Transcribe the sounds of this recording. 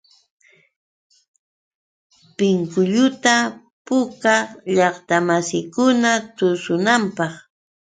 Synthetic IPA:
pɪŋkʊʎʊt̪a | pʊkaʎɑχt̪amasɪjkʊnat̪ʊsʊnampɑχ

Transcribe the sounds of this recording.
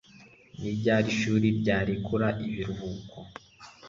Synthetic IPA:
nibɟaːɾiʃuːɾiɾɟaːɾikʰuɾaʔiβiɾuvuːkʰo

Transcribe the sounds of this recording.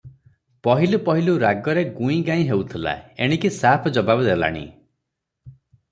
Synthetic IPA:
pɔɦilupɔɦiluɾaɡɔɾeɡũĩɡaĩɦewt̪ʰila̰ḛɽ̃ikisapʰɔd͡ʒɔbabɔd̪ela̰ɽ̃ḭ

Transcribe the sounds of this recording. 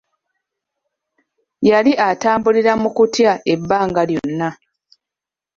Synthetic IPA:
jaliʔataːmbuliɾamukutjaebːaːŋɡaljo̞nːa

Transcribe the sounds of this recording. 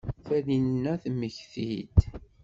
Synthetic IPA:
θælinnːæθməçθid̪

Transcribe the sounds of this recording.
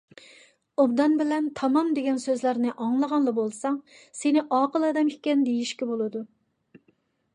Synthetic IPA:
obd̪ɑnbɪlɛnt̪ʰɑmɑmd̪eɡʲɛnsøzlæɾnɪʔɑŋlˠəʁɑnlˠɑbolˠsɑŋsenɪʔɑːqəlˠɑːd̪ɛmikʲːɛnd̪ejiʃkʲɛbolˠɨd̪u

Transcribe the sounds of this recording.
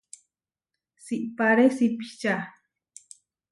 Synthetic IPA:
siʔpaɾesipit͡ʃa

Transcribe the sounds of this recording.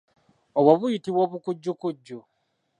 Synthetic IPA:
oβwaβujitiβwoːβukuɟːukuɟːu

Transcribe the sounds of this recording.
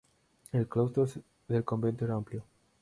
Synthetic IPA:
elklowst̪os | ðelko̞mbe̞nt̪oeɾaampljo

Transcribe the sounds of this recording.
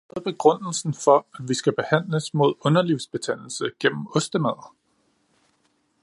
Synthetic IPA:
ð̩ˠb̥e̝ɡ̥ʁɔn̰l̩sn̩fɒ̽æʋisɡ̥æb̥e̝hæn̰ləsmo̝ð̞̰ˠɔ̽nɐliʊsb̥e̝t͡sʰæn̰l̩səɡ̥en̰m̩ɔ̽sd̥əmæð̰ˠ

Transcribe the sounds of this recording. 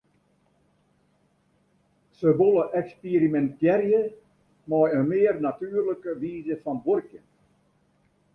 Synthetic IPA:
səʋoləʔɛkspiɾimɛntjɛrjə | mɔjəmɪərnatyːrləkəʋiːzəfɑnborkjə

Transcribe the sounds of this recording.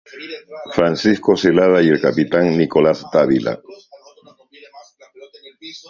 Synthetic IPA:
fɾansisko̞selaðaje̞lkapit̪aŋnikolast̪aβila̰

